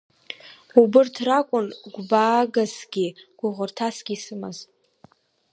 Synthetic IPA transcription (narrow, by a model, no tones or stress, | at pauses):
ubɨrtʰrakʷʼʊnɡʷbaːɡasɡʲiɡ̥ʷʊʁʷʊrtʰasɡʲisɨmaz